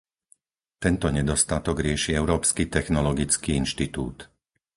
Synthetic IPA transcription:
t̪ɛnt̪ɔɲɛd̪ɔst̪at̪ɔɡɾɪɛʃiɛʊɾɔːpskit̪ɛxnɔlɔɡit͡skiinʃt̪it̪ṵːt̪

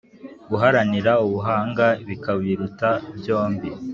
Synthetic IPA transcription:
uɦaɾaniɾauβuɦaːŋɡaβikaβiːɾutabjo̞ːmbi

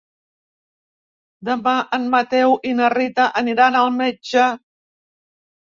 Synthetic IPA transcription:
d̪əmaʔənmət̪ɛwʔinərit̪əʔəniɾanəlˠmed͡ʒə

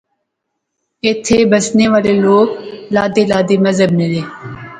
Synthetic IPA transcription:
ɪt̪ʰeːbəsneːʋaːleloːklaːd̪eːlaːd̪eːməzɦəbnẽːd̪eː

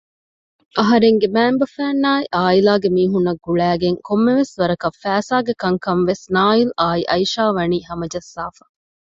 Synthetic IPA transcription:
ʔɐɦɐɾeŋɡemæːmbɐfæːnːaːiʔaːilaːɡemiːɦunːɐɡːuɭæːɡeŋkomːeʋesʋɐɾɐkɐfæːsaːɡekɐŋkɐnʋesnaːilaːiʔɐjʃaːʋɐniːhɐmɐd͡ʒɐsːaːfɐ̥

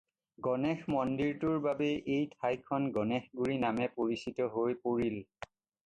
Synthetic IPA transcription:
ɡɔnɛxmɔndiɹtʊɹbabɛʔejtʰajkʰɔnɡɔnɛxɡuɹinamɛpoɹisitɔɦojpoɹil

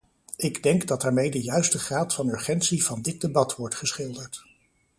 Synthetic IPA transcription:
ɪɡdɛŋɡdɑtdaːɹmejdəjœɥstəχraːtfɑnɵɹχɛntsivɑndɪd̚debɑtʋɔɹtχəsχɪlˠdəɹt

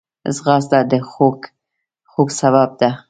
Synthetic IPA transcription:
zɣɑs̬d̪ad̪əxok | xoɡsawab̚d̪a

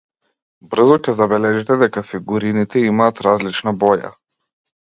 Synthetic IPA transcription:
br̩zɔcʲɛzabɛlɛʒɛt̪ɛd̪ɛkafiɡuɾinit̪ɛimaːt̪ɾazlit͡ʃnabɔja̰

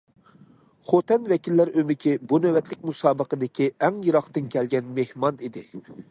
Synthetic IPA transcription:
χot̪ʰɛnvɛkʲilːæɾømɪkʲʰibunæwɛt̪ʰlɪk̚ʲmusɑːbəqəd̪ɪkʲʰiɛŋjɨɾɑχt̪ɨnkʲʰɛlɡʲɛnmehmɑnid̪ɪ

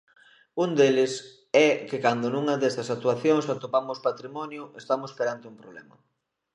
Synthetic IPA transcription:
und̪elɪs | ɛkekand̪onũŋɐðɛst̪ɐsak̚t̪uaθjoŋsat̪opamʊspat̪ɾimɔnjʊest̪amospeɾant̪ɪumpɾoβlɛmɐ̰

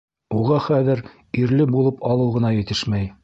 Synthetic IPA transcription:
uʁɑχæðɘɾ | iɾlɘbulˠɤpɑlˠɤwʁɤ̆nɑjɘ̆t̪ɘʃmæj

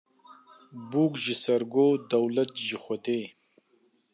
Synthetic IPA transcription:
buːkʒisɐɾɡoːd̪ɐwlɐt̪ʒixʷɐt̪eː

